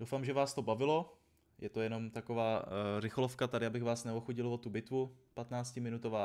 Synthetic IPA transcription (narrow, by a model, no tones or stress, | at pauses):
dowfaːmʒɛvaːst̪o̞bavɪlo̞ | jʔɛt̪ojɛno̞mt̪ako̞vaːrɪxlofkat̪adɪabɪɣvaːsnɛoxuɟɪlvo̞t̪ubɪt̪vupat̪naːt͡scɪmɪnut̪ovaː